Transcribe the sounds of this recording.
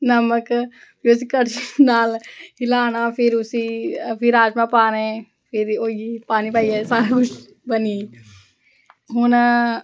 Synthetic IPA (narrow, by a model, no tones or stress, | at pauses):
nɐmək | pios̬ikəʈt͡ʃinaːlɦɪlaːnapʰɪɾʊsipʰɪɾaːd͡ʒmãpaːnẽ | pʰɪɾoːiipaːnipaːiesaːɾakʊt͡ʃ | bəni | ɦʊn